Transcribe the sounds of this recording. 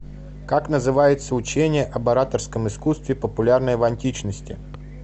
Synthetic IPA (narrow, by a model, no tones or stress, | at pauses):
kaknəzɨvajɪt̪səʊt͡ɕenʲɪjəʔɐbɐɾat̪ərskəmɨskust̪vʲɪpəpʊlʲarnəjəvɐnʲtʲit͡ɕnəsʲtʲɪ̰